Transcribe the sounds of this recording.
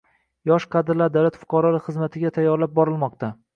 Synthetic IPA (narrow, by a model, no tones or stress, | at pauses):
jɒʃqʰɑd̪ɪɾlaɾd̪awlat̪fʊ̥qʰɑɾɒlaχɨzmat̪ʰɪɡʲat̪ʰajːɒɾlap̚bɒɾɪlˠmɒq̚t̪ʰa